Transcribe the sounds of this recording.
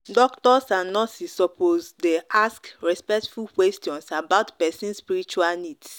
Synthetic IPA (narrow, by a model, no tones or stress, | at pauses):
dɔktɔsãnnɔsisɔpozdeʔaskɹɛspɛktfulkwɛstiɔ̃nsabaʊtpɛsĩnspiɾit͡ʃualnid